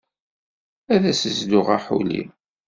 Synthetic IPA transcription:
æðæsəzd̪ʊʁaħṵlḭm

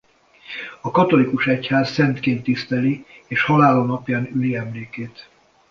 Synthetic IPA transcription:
ɒkɒt̪o̞likuʃɛchaːzːɛnt̪keːnt̪ːist̪ɛlieːʃhɒlaːlonɒpjaːnyliɛmleːkeːt̪

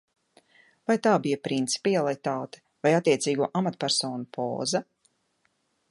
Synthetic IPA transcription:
vajt̪aːbijɐpɾint̪si̥pialˠit̪aːt̪ɛ̥ | vajat̪ːiɛt̪siːɡuɔʔamat̪pæɾsɔːnupʰɔ̰ːzɐ

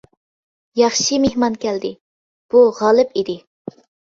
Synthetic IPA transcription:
jɑχʃimehmɑnkʲɛld̪ɪ | b̥uʁɑlˠɨpid̪ɪ

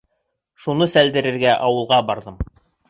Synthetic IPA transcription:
ʃunɤsæld̪ɘ̆ɾɘ̆ɾɡæʔɑwɤ̆lˠʁɑbɑɾðɤm

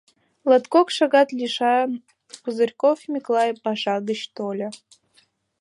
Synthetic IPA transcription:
lɑt̪kokʃɑɣɑt̪lʲiʃɑn | puzərʲkofmʲiklˠɑjpɑʃɑɣət͡ɕt̪olʲə̆

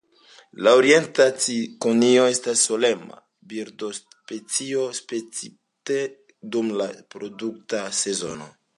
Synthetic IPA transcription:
laoɾie̞ntat͡sikonio̞e̞stasːo̞le̞ma̰ | biɾdo̞s | pet͡sio̞spet͡si | te | dumlapɾo̞duktase̞zo̞̰no̞̰

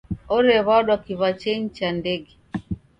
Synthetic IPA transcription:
ɔɾɛβaɗwakiβat͡ʃɛɲt͡ʃandɛɡɛ

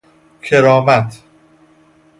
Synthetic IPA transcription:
kʰeɾɒːmæt̪ʰ

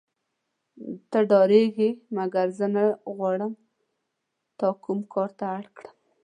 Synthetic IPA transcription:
t̪əɖɑɾeɡimaɡaɾzənəɣwɑɽəm | t̪ɑkumkʰɑɾt̪aaɽkɽəm

